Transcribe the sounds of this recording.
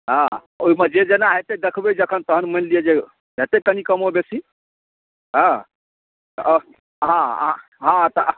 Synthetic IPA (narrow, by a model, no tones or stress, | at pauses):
ɦã | oimed͡ʒed͡ʒenaɦet̪ed̪ekʰbed͡ʒəkʰənt̪əɦənmənlied͡ʒe | bʱet̪ekənikəmobesi | ɦã | ɦã̰ | ɦãt̪ə